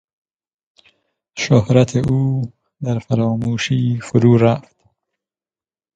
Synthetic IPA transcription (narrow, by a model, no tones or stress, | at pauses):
ʃohɾat̪ʰeʔuː | d̪æɾfaɾɒːmuːʃiːfʊɾuːɾaft̪